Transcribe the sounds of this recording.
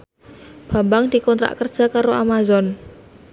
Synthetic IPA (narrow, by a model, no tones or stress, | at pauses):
b̥a̤mbaŋd̪̥i̤kɔnt̪ɾa̰ʔkərd̥ʒ̥a̤kaɾoʔamazɔn